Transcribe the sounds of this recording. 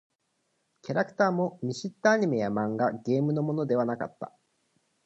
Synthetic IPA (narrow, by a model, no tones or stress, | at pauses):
kʲaɾakɯ̟̥t̪aːmo̞mʲiɕit̪ːaːɲ̟ime̞jamãŋɡaɡe̞ːmɯ̟no̞mo̞no̞d̪e̞β̞anaka̰t̪ːa̰